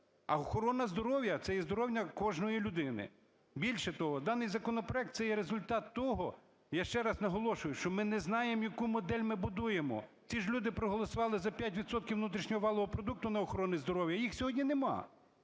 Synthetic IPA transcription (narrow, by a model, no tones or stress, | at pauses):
ɐ̰ɔxɔɾɔnɐzd̪ɔɾɔwjɐt̪sɛjɛzd̪ɔɾɔwnʲɐkɔʒnɔjilʲʊd̪ɪnɪ̰ | bʲilʲʃɛt̪ɔɦɔd̪ɑnɪjzɐkɔnɔpɾɔɛk̚t̪sɛjɛɾezʊlʲt̪ɑt̪ːɔɦɔ | jaʃt͡ʃɛɾɑznɐɦɔlˠɔʃʊjʊʃt͡ʃɔmɪnɛznɑjemjɐkumɔd̪ɛlʲmɪbʊd̪ujemɔ̰ | t͡sʲiʒlʲud̪ɪpɾɔɦɔlˠɔsʊʋɑlˠɪzɐpʲjatʲʋʲid̪sɔt̪̚kʲiwnut̪ɾʲiʃɲʲɔɦɔʋɑlˠɔɦɔpɾɔd̪uk̚t̪ʊnɐɔxɔɾɔnizd̪ɔɾɔwjɐjixsʲɔɦɔdʲnʲinemɑ̰